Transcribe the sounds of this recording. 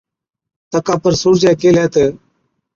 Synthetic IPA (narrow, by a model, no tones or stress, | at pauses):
t̪əkãːpəɾsuːɾd͡ʒɛːkeːlɛːt̪eː